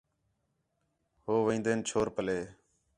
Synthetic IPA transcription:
hoːʋẽːnd̪eːnt͡ʃʰoːɾpəleː

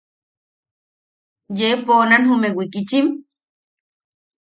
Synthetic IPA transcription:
jeponanhumewikit͡ʃim

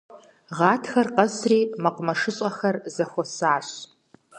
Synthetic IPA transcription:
ʁɑːtʰxɐrqɐzriːmɐqʷʊmɐʂɨɕʼɐxɐrzɐxʷɔsaːɕ

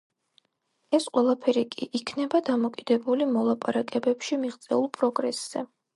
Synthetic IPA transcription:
ɛsqʼwɛlˠapʰɛɾikʼiʔikʰnɛbad̪amɔkʼid̪ɛbulimɔlˠapʼaɾakʼɛbɛpʃimiʁt̪sʼɛulˠpʼɾɔɡɾɛsz̥ɛ

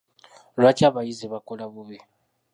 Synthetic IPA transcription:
lwat͡ʃʰʼaβaiziβakʼɔlaβuβɛ

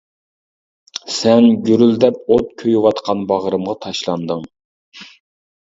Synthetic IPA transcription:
sɛnɡʲyɾyld̪ɛp̚ot̪̚kʲʰøjwɑt̪qʰɑnbɑʁɾɨmʁɑt̪ʰɑʃlˠɑnd̪ɨŋ

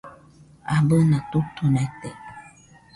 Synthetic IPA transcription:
abənatotunɛtɛ

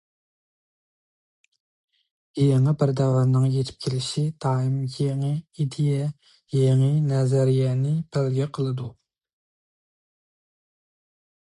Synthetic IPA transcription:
eŋəbɪɾd̪ɛwɑmnɨŋjet̪ʰɪ̥p̚kʲʰelɪʃit̪ʰɑːimjeŋɨid̪ejɛ | jeŋɨnɛzɛɾijɛːnɪpʰælɡʲɛqʰəlˠɨd̪u

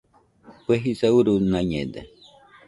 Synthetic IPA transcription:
pweɦisauɾunãɲḛd̪e

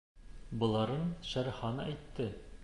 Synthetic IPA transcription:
bɤ̆lˠɑɾɤnʃæɾχɑnɑæjt̪ːɘ

